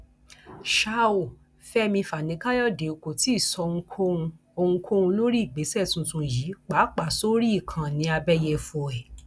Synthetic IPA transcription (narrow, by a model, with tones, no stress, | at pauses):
ʃa˧˦o˨ | fɛ˦mĩ˧fa˨nĩ˨˦ka˦jɔ˦˨de˨o˨ko˨ti˨˦˨sɔ˧˦ŋ̩˧˦kʰo˦ũ˧ | o˧ŋ̩˦kʰo˦ũ˧lo˦ɾi˦i˦˨ɡ͡be˨˦sɛ˦˨tũ˧tũ˧ji˨˦k͡pa˨˦k͡pa˨so˦ɾi˦i˦˨kʰã˨nĩ˧˦a˧bɛ˦jɛ˧fo˧˨ɛ˨